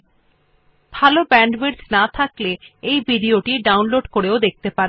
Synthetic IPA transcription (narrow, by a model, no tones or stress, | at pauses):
bʱalobɛɳɖbeɖd͡ʑnat̪ʰakleejbiɖioʈiɖawnloɖkoɾeod̪ek̚t̪epaɾe